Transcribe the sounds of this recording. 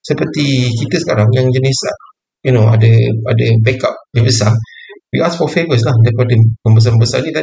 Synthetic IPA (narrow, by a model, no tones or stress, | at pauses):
səpət̪ikit̪əsə̥kaɾaŋjaŋd͡ʒənisa | junoa̰dəadəbɛkap̚dəbəsawiʔasfɔfevəs̬lahdapadəkəmbəs̬ambəsa̰did̪a